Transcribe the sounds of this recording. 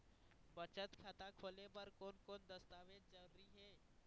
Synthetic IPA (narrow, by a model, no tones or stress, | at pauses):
bət͡ʃət̪kʰaːt̪akʰoːlepɐɾkoːnkoːnd̪ɐst̪aːʋeːd͡ʒd͡ʒɐlɾiɦɛː